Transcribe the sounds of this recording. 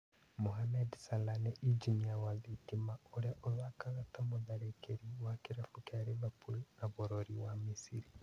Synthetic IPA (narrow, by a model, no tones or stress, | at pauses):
moɦamɛdsalanɛʔiɲd͡ʒiniawaðitimaoɾeaʔolwakaɣatamoðaɾekʰeɾiwakeɾɛfukeaɾemapulnaβoɾoɾiwamisiɾi